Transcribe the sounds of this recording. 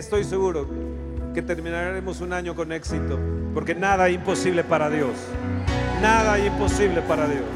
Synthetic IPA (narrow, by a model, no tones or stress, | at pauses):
est̪o̞jse̞ɣuɾo̞ | ke̞t̪e̞ɾmĩnaɾɾe̞mo̞sunaɲo̞ko̞ne̞ksit̪o̞po̞ɾke̞naðaeimpo̞siβle̞paɾaðjo̞s | naðaejimpo̞siβle̞paɾaðjo̞s